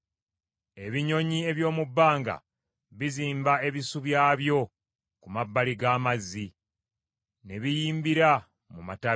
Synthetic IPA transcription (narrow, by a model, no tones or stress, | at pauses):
e̞βiɲo̞ɲie̞βjo̞ːmubːaːŋɡa̰ | βiziːmbae̞βisuβjaːβjo̞ | kumabːaliɡaːmazːi | ne̞βijiːmbiɾa | muma̰ta